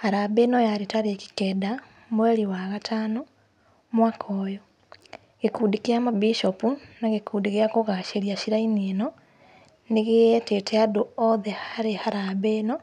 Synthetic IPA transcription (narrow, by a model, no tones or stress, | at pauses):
haɾabeːnɔjaɾetaɾeki̥kɛda | mwɛɾiwaɣatʰaːno | mwakʰɔːjɔ | ɣekuːdikeamabiʃɔpunaɣekuːdiɣeakoɣaʃeɾiaʃiɾainienɔ | neɣeɛtetʰɛadoɔðɛhaɾehaɾaβeːnɔ